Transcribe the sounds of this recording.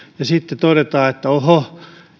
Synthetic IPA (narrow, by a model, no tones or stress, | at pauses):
jɑsit̪ːet̪oɾet̪ɑːet̪ːæoho